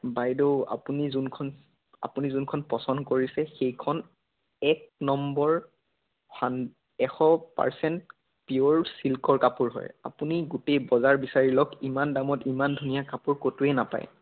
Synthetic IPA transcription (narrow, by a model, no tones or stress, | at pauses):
bajdoa̰punizunkʰɔn | a̰punizunkʰɔnpɹɔsɔndɔkoɹisɛxejkʰɔn | ɛk̚nɔmbɔɹ | han | ɛxɔpa̰ɹsɛnt | pioɹsilkɔɹkapuɹɦɔ̰ja̰puniɡutejbɔzaɹbisaɹilɔkimandamɔtimandʱunijakapuɹkotuɛnapa̰j